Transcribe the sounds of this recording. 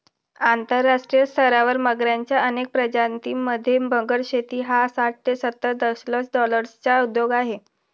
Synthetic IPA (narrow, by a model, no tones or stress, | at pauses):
ant̪əɾːaʂʈɾijəst̪ʰəɾaʋəɾməɡɾjaɲt͡ɕjaənek̚pɾəd͡ʑant̪iməd̪ʱːjebəŋɡəɾɕet̪iːɦasaʈ̚t̪esət̪ːəɾd̪əslət͡sɖɔləɾst͡ɕaud̪joɡaɦe